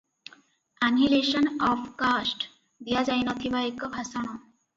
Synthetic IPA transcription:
anɦileɕənɔfkasʈ | d̪ijad͡zajnət̪ʰiʋaekəbʱasaɳ̃ɔ

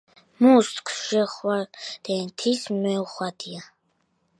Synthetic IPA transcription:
must̪kʰsʃɛχwaɾd̪̥ɛnt̪ʰismɛuχwad̪ia

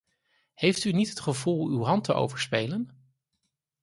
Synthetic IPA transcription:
hejftynitɦətχəvulˠywɦɑntəʔo̰wvəɹspejlən

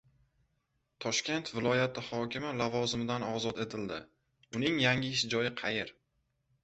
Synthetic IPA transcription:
t̪ʰɒʃkʲe̞nt̪vɪlˠɒjat̪ʰɪhɒkʲɪmɪlavɒzɪmɪd̪anɒzɒt̪e̞t̪ʰɪld̪ɪ̰ | ʊnɪŋjaŋʲɪɪʃ̬ɪd͡ʒɒjɪqʰɑjɪɾ

